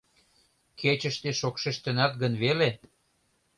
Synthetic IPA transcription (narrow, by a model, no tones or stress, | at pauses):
kʰet͡ɕəʃt̪eʃokʃeʃt̪enɑt̪̚ɡənβele